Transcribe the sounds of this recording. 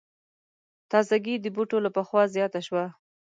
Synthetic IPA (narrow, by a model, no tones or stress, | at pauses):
t̪ɑzaɡid̪əbuʈolapaxwɑzjɑt̪aʃwa